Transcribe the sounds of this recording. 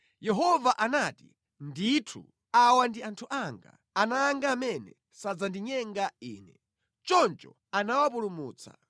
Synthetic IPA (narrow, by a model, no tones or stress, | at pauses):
jɛɦɔvaʔanati | nditʰṵ | awandiantʰuʔaŋɡa̰ | anaːŋɡaːmɛnɛ | sad͡zandiɲɛŋɡaḭːnɛ | t͡ʃɔnt͡ʃɔ̰ | anawapulumuːt͡sa̰